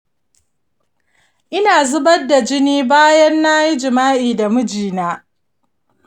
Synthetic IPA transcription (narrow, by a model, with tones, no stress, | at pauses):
ʔɪ˦naː˨zʊ˦bɐ˦dːa˨d͡ʒɪ˦niː˦baː˦jɐ˦nːa˦ji˦d͡ʒɪ˨maː˦ʔiː˨da˨mʊ˦d͡ʒiː˨naː˦